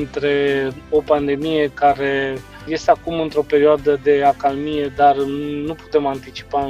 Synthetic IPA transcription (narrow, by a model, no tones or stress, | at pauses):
nt̪ɾe̞o̞pand̪e̞mije̞kaɾe̞ | je̞st̪eakumɨnt̪ɾo̞pe̞ɾioad̪əd̪e̞akalmije̞d̪arnupu̥t̪e̞mant̪it͡ʃi̥pa